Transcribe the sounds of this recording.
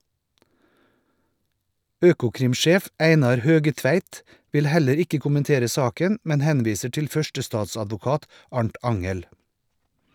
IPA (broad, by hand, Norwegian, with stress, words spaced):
ˈøːkʊˌkɾɪmˌʃeːf ˈæɪnɑɾ ˈhøːɡəˌtʋæɪt ˈʋɪl ˈhæləɾ ˈɪkə kʊmənˈteːɾə ˈsɑːkən ˈmɛn ˈhɛnˌʋiːsə ˈʈɪl ˈfœʃʈəˌstɑːsɑdʋʊˌkɑːt ˈɑɳʈ ˈɑŋəl